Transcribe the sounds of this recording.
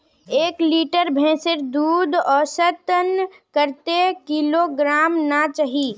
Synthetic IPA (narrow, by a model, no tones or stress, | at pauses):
eːkliːʈəɾbʱɛ̃ːsɪɾd̪uːd̪ɔːɾsət̪ən | kəɾt̪ekiloɡɾaːmnat͡ʃaɦi